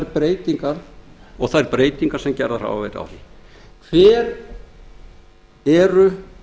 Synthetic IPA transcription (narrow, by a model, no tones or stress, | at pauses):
ɛɾpɾeːjt̪iŋkaɾ̥ɔɣθaðɛɾpɾeːjt̪iŋkaɾ̥sɛmcɛɾðaɾ̥a̰wavḛjt̪a̰wθi | kʰvɛːɾ | ɛɾʏ